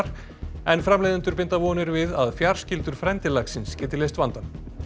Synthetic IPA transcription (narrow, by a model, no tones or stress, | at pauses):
ɾ̥ | ɛnfɾamlejðɪnt̪ʏɾpɪnt̪avɔːnɪɾvɪðaðfjar̥scɪlt̪ʏɾ̥fɾɛnt̪ɪlaksɪnscɛːt̪ɪlejst̪vant̪an